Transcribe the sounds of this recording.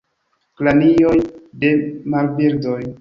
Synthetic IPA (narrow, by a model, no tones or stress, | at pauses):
klanijojde̞malbiɾdoj